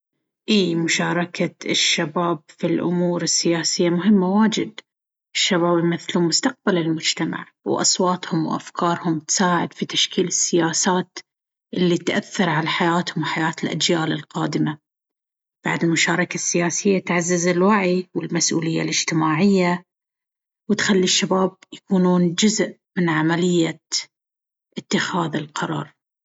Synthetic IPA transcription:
ʔiːmʊʃɑːɾˤɑkaɪʃːabaːb̚filʔʊ̰muːɾɪsːɪjaːsɪjːamʊɦɪmːawaːd͡ʒɪd̪ | ʔɪʃːabaːbimɪθlumʊst̪aq̚balɪlmʊd͡ʒt̪ama̰ʕ | wʔɑ̰sˤwɑːt̪hʊmwʔa̰fkʰɑːɾˤhʊmt̪saːʕɪd̪fit̪aʃkiːlɪsːɪjaːsaːt̪ | ʔɪlːit̪ʔaθːɑɾˤʕalaħajaːt̪hʊmwħajaːt̪ɪlʔa̰d͡ʒjaːlɪlqɑːd̪ɪma | b̥a̰ʕd̪ɪlmʊʃaːɾˤɑkasːɪjaːsɪjːat̪ʕazːazɪlwaʕiwɪlmasʔṵːlɪjːa̰lɪd͡ʒt̪ɪmaːʕɪjːa | wɪt̪xalːiʃːabaːb̚jakuːnuːnd͡ʒʊzʔ | mɪnʕamalɪjːa | ʔɪt̪ːɪxaːðɪlqɑɾˤɑ̰ːɾˤ

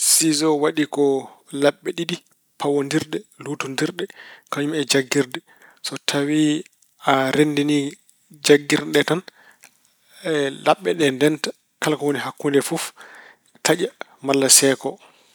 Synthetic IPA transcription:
sizɔwaɗikɔlaɓːɛɗiɗi | pʰawondiɾɗɛlutundiɾɗɛkaɲumɛd͡ʒaɡːiɾdɛ | sɔtʰawi | aɾendini | d͡ʒaɡːiɾɗɛtan | laɓːɛɗɛndɛntḁ | kalkɔwoniɦakːundɛfuf | tʰaʄa | malːasɛkɔ

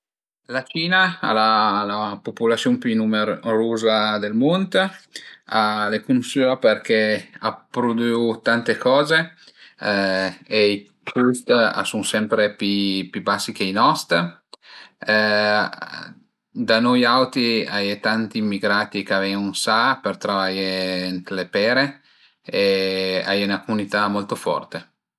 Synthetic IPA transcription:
lat͡ʃiːnaa̰lalapopulat̪sjompynumeɾoːzad̪elmont̪ | alekunsyaperkeapɾod̪yut̪ant̪ekʰɔːze | ei | kust̪a̰suŋsɛmpɾepipjubasːik̟einɔst̪ | d̪anojawt̪iajet̪ant̪iːmːiɡɾaːt̪ikeavɛunsapert̪ɾavajent̪lepɛːɾe | ea̰junakomunit̪amolt̪ofɔ̰rt̪e

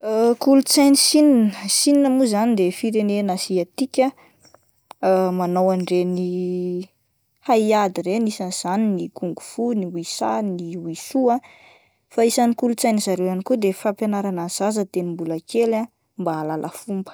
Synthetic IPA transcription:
akulut͡sajnisininəsininəmuzanid̪efiɾenenasiat̪ikʲə | manowanɖ͡ʐeni | haiad̪iɾenisanz̥aninikuŋɡufuniwisa̰niwisua | faisanikulut͡sajnizaɾewjanikud̪efapjanaɾanaz̥azət̪enimbulakʰela | mbaːlalʔə̰fumbə̥

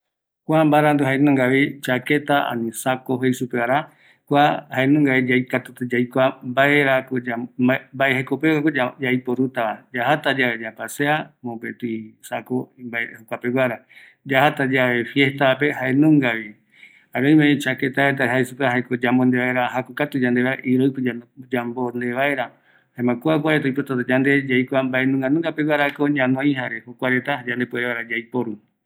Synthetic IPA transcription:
kʷambaɾand̪uɦaenũŋɡaβit͡ʃaket̪aa̰nĩsakoɦejsupeaɾa | kʷahaenũŋɡaβid͡ʒajkat̪ut̪ed͡ʒajkʷambaeɾakod͡ʒabaehekopekakod͡ʒajpoɾut̪aβad͡ʒahat̪ad͡ʒaβed͡ʒapaseamopet̪uisakobaehokʷapeɡʷaɾa | d͡ʒahat̪ad͡ʒaβe̞fje̞ht̪ape̞haenũŋɡaβi | haɾoj̃mẽt͡ʃaket̪aɾet̪̬aɦaisupeɦajkod͡ʒambond̪eβaeɾaɦakokat̪ud͡ʒand̪eβaeʔiɾojped͡ʒad͡ʒambond̪eβaeɾa | haemãkuak̬ʷaɾet̪aipot̪at̪ad͡ʒand̪e̞d͡ʒajkʷambaenũŋɡanũŋɡapewaɾakoɲãnõĩɦaɾe̞hokʷaɾet̪ad͡ʒand̪epueeβaɾad͡ʒajpoɾu

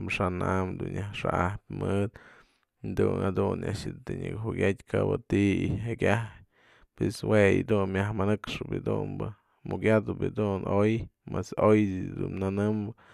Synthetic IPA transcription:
mʂanamd̪unjahʂaʔahp̚ʲmɨd̪ | d̪unhad̪unʔa̰ʔʃɨt̪eɲɨkɦuɡʲatʲkabɨt̪iiɦakʲahj | pweswejid̪unmʲjahmanɨkʂɨbɨd̪umbɨ | mukʲjad̪ɨbɨd̪unʔojmesojdɨd̪unnanɨmbɨ

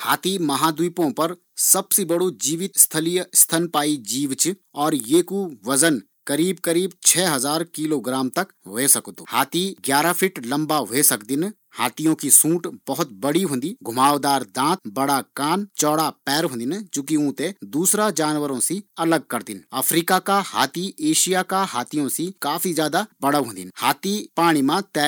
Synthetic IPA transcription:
haːt̪imɐɦaːd̪uipõpɐɾ | sɐbsebɐɽod͡ʒiːʋɪt̪st̪ʰəlijst̪ʰənpaːid͡ʒiːʋt͡ʃɔːɾjeːkuʋɐzən | kɐɾiːb̚kəɾiːbt͡ʃʰɛːɦɐzaːɾkiːloɡɾaːmt̪ɐkʋeːsɐkt̪uhaːt̪iɡjaːɾapʰɪʈlɐ̃mbaɦesɐkd̪ɪn | haːt̪ijõkisũːʈbɐɦʊt̪bɐɽiɦʊ̃ːn̆d̪iɡʱʊmaːʋd̪aːɾd̪ãːt̪bɐɽakaːnt͡ʃɔːɽapɛːɾɦõnd̪ɪnt͡ʃũːkiũːt̪ed̪uːsɾad͡ʒaːnʋəɾõsiɐləɡ̚kɐɾd̪ɪnɐfʰɾiːkakaha̰ːt̪iʔeːʃijakaɦaːt̪ʰijõsikaːfʰizjaːd̪abɐɽəʋɦõːnd̪ɪnhaːt̪ipaːɽ̃imãt̪ɛː

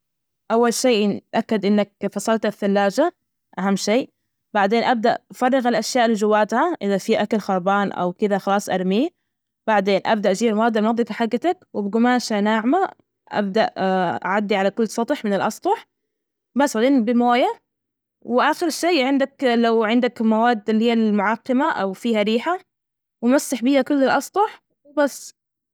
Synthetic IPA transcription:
ʔawːalʃeːʔakːad̪ʔɪnːak̚fɑsˤɑlt̪aθːalːaːd͡ʒa | ʔaɦamːʃeːʔ | baʕd̪eːnʔab̚d̪aʔfɑrˤːɪɣalʔaʃjaːʔlɪd͡ʒʊwːaːt̪haʔɪðafiːʔakalxɑɾˤbɑːnʔa̰wkɪðaxɑlɑːsˤʔɑɾˤmiː | b̥aʕd̪eːnʔa̰b̚d̪aʔd͡ʒiːbalwɑːd̪ɑʕmnɑd̪ˤɪkaħaɡːat̪akwɪbɡʊmaːʃanaːʕma | ʔa̰b̚d̪aʔʔa̰ʕad̪ːiʕalakʊlːsˤɑt̪ˤħmɪnɪlʔɑsˤt̪ˤɑħ | basalaːnbɪmoːja | wɪʔaːxɪɾʃːeːʕɪnd̪aklawʕɪnd̪akmawaːd̪ːɪlːihiːalmʊʕɑqːɪmaʔawfiːhaɾiːħa | wmasːɪħbiːhakʊlːɪlʔɑsˤt̪ˤɑħ | wɪbasː

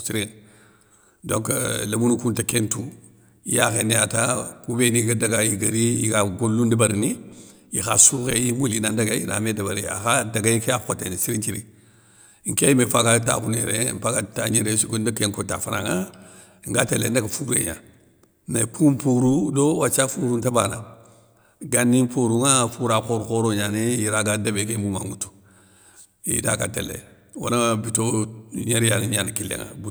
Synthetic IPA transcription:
siɾin | do̰ŋklamunukuntakentu | ijaɣeniatakubeniɡadaɡajiɡaɾijiɡaɡulːundibaɾni | jixasuɣeimulinandaɡaḭna̰medabaɾḭa̰xadaɡaikaakotenisiɾit͡ʃiɾḭ | ŋ̩keimefaɡata̰kunḛɾḛmpaɡataɲeɾesiɡundakeŋkota̰fanaŋa | iŋɡatelḛndaɡafuɾḛɲa̰ | napʰumpuɾudowat͡ʃafuɾuntabana | ɡanːimpoɾuŋafuɾakoɾukoɾoɲanejiɾaɡadabekemuma̰ŋutu̥ | ḭtaɡa̰tḛlːḛ | wa̰nabitoɲeɾjaniɲanikilːḛŋa̰bu

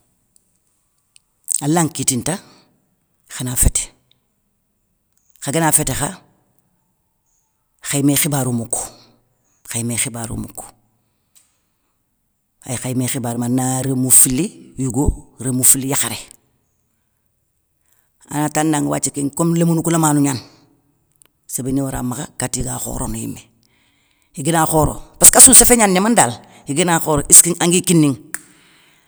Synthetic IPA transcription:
alaŋkitinta | xanafete̥ | xaɡenaːfetexa | xajimexibaɾumukːu̥ | xajmexibaɾṵmṵk | a̰jxajimexibaːɾumanaɾemufilijuɡoɾemufilːijaxaɾe | a̰natandaŋwa̰ːt͡ʃikeŋkomlemunukulamanuɲan | sebeniwaɾa̰maxakatiɡaxo̰ɾo̰nujḭmːe | hiɡinaxoːɾo̰paskasunsefeɲanɲamandal | hiɡinaxoːɾoʔiskiŋaŋɡikinːiŋ

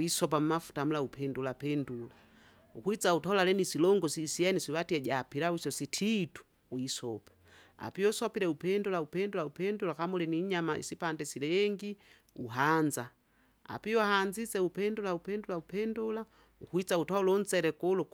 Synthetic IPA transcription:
isɔp̬am̩mafu̥tamulaupʰɛndulapɛndula | ukuit͡sautalalɛnisilɔŋɡɔsisiɛnisiwatiɛɟapiɾawisɔsitʰitu̥ | uisɔpḁ | a̰piɔsɔpiɾɛupɛndulaupɛndulaupɛndulakamɔlɛniɲamaḭsipandɛsilɛŋɡi | uɦanza | a̰piɔhand͡ʒit͡sɛupɛndulaupɛndulaupɛndula | ukuit͡sautaulɔn̩t͡sɛɾɛkɔlu

